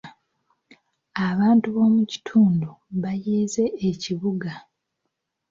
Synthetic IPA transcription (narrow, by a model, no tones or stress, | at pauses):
aβaːntuβo̞ːmuci̥tʰuːnduβajeːze̞ːciβuɡa